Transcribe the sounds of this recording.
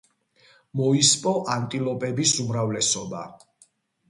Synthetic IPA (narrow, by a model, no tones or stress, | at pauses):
mɔispʼɔʔant̪ʼilˠɔpʼɛbisumɾavlɛsɔba̰